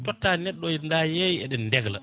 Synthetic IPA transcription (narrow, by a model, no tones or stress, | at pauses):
tɔtːanɛɗːɔjindajejɛɗɛnndɛɡla̰